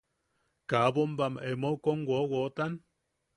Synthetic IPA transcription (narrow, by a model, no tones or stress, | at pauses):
kabombamʔemoukoŋwowot̪an